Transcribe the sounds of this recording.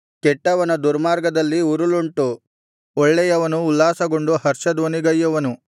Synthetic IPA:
kɛʈːɐʋɐnɐd̪uɾmaːɾɡɐd̪ɐlːiuɾuluɳʈu | ɔɭːɛjɐʋɐnuːlːaːsɐɡo̞ɳɖuhɐɾʃɐd̪ʋoniɡɐjːɐʋɐnu

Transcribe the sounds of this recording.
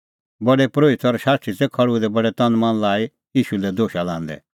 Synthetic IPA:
bɐɖɛpɾoːɪt̪ɔɾʃaːsʈʰit̪ɛkʰɐɽud̪ɛbɐɽɛt̪ɐ̃nmɐ̃nlaːi | iːʃulɛd̪oːʃalã̰ːnd̪ɛ̰

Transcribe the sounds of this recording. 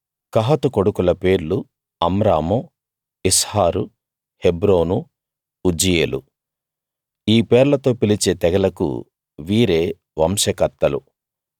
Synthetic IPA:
kɐɦɐt̪uko̞ɽukulɐpe̞ːɾlu | ɐmɾaːmo | ishaːɾu | hebɾo̞ːnu | ud͡ʒijḛːlṵ | iːpɛːɾlɐt̪o̞ːpilit͡ʃeːt̪ɛɡɐlɐkṵ | ʋiːɾe̞ː | ʋɐmʃɐkɐt̪ːɐlṵ

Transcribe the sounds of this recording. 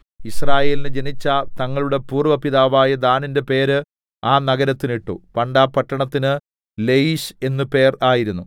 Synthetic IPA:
israːje̞ːlinɨd͡ʑe̞nit͡ɕːɐt̪ɐŋːɐɭuɽe̞puːrʋɐpiðaːʋaːjɐd̪aːninde̞pe̞ːɾɨ | aːnɐɡɐɾɐt̪ːiniʈːupɐɳɖaːpːɐʈːɐɳɐt̪ːinɨ | lejiɕe̞nːupe̞ːraːjiɾunːu

